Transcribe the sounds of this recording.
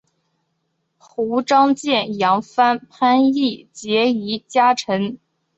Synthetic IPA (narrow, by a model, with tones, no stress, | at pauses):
xu˧˥ʈ͡ʂɑ˥ŋt͡ɕjɛ˥˩njɑ˧˥ŋfa˥npʰa˥ni˥˩t͡ɕjɛ˧˥i˧˥t͡ɕja˥ʈ͡ʂʰɤ˧˥ŋ